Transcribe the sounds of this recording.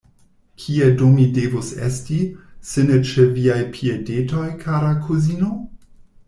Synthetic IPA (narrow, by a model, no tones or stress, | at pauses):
kʰiedomidevusḛstisenet͡ʃeviajpʰiedetojkʰaɾakʰuzino